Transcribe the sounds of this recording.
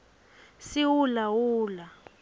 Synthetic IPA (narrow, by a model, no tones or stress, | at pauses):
siwulawuːla